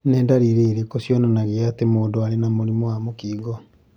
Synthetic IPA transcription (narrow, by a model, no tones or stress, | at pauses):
nɛːndaɾiɾeiɾekosjɔnanaɣeatemoːndoaɾenamoɾimoamokiːɣɔ